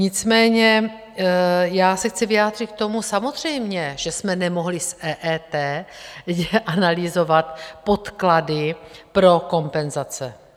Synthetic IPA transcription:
ɲɪt͡smɛːɲɛ | jaːsɛxt͡sɪvɪjaːd̪r̝ɪt̪k̚t̪o̞musamo̞zr̝̥ɛjmɲɛʒ̥ɛsmɛnɛmo̞ɦlɪsʔɛːʔɛːt̪ɛːjɛʔanalɪzo̞vat̪po̞t̪kladɪpɾo̞ko̞mpɛnzat͡sɛ̰

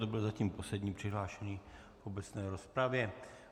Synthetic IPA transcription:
t̪obɪlzaciːmpo̞slɛd̪ɲiːpr̥ɪɦlaːʃɛɲiː | obɛt͡snɛːɾo̞spɾavjɛ

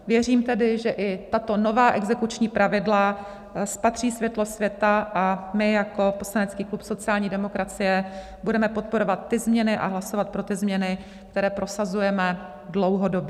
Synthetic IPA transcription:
vjɛr̝iːmt̪ɛdɪʒɛʔɪt̪at̪o̞no̞vaːʔɛɡzɛkut͡ʃɲiːpɾavɪdla | spat̪r̝̥iːsvjɛt̪lo̞svjɛt̪aʔamɪjako̞po̞slanɛt͡skiːklupso̞t͡sɪaːlɲiːdɛmo̞kɾat͡sɪjɛ | budɛmɛpot̪̚po̞ɾo̞vat̪ːɪzmɲɛnɪʔa̰ɦlaso̞vat̪̚pɾo̞t̪ɪzmɲɛnɪ | k̚t̪ɛɾɛːpɾo̞sazujɛmɛ | dlowɦodo̞bjɛ

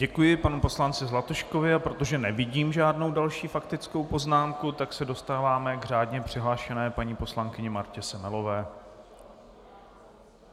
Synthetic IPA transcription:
ɟɛkujɪpanupo̞slant͡sɪzlat̪oʃko̞vɪapɾot̪o̞ʒɛnɛvɪɟiːmʒaːdno̞wdalʃiːfakt̪ɪt͡sko̞wpo̞znaːmkut̪aksɛdo̞st̪aːvaːmɛɡr̝aːdɲɛpr̝̥ɪɦlaːʃɛnɛːpaɲiːpo̞slaŋkɪɲɛmaɾcɛsɛmɛlo̞vɛː

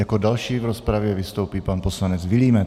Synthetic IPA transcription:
akɔdalʃiːvɾɔspɾaʋjɛʋist̪oʊpiːpaːnpɔslaɲɛd͡zʋiliːmɛ

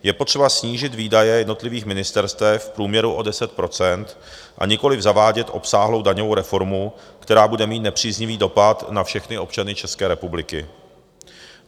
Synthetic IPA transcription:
jɛpot̪r̥ɛbasɲiːʒɪt̪viːdajɛjɛdno̞t̪lɪviːxmɪnɪst̪ɛɾst̪vɛfpɾuːmɲɛɾuʔo̞dɛsɛt̪̚pɾo̞t͡sɛnt̪ | ʔa̰ɲɪko̞lɪvzavaːɟɛt̪ʔo̞psaːɦlo̞wdaɲovowɾɛfo̞ɾmukt̪ɛɾaːbudɛmiːt̪nɛpr̥iːzɲɪviːdo̞pat̪nafʃɛxnɪo̞pt͡ʃanɪt͡ʃɛskɛːɾɛpublɪkɪ

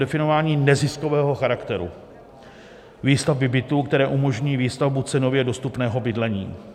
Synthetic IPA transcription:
dɛfɪnovaːɲiːnɛzɪsko̞vɛːɦo̞xaɾakt̪ɛɾṵ | viːst̪avvɪbɪt̪uːkt̪ɛɾɛːʔumo̞ʒɲiːviːst̪avbut͡sɛno̞vjɛdo̞st̪upnɛːɦo̞bɪdlɛɲḭː

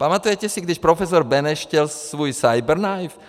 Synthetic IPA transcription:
pamat̪ujɛcɛsiɡ̚d̪iʃpɾɔfɛs̬ɔɾbɛnɛʃcɛlsʋujsajbɛɾnajf

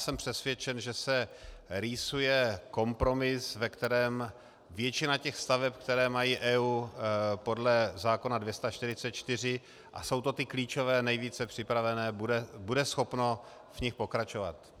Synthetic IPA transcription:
sɛmpr̥ɛsvjɛt͡ʃɛnʒɛsɛɾiːsujɛko̞mpɾo̞mɪsvɛkt̪ɛɾɛːm | vjɛt͡ʃɪnacɛxst̪avɛpkt̪ɛɾɛːmajiːʔɛːuːpo̞dlɛzaːko̞nadvjɛst̪at͡ʃt̪ɪɾɪt͡sɛt̪̚t͡ʃt̪ɪr̝ɪ | ʔa̰so̞wt̪o̞t̪ɪkliːt͡ʃo̞vɛːnɛjviːt͡sɛpr̥ɪpɾavɛnɛːbuɛbudɛsxo̞pno̞ | vɲɪxpo̞kɾat͡ʃo̞va̰t̪

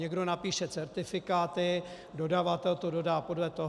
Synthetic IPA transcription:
ɛɡdo̞napiːʃɛt͡sɛɾt̪ɪfɪkaːt̪ɪ | do̞davat̪ɛlt̪odo̞daːpo̞dlɛt̪o̞ɦ

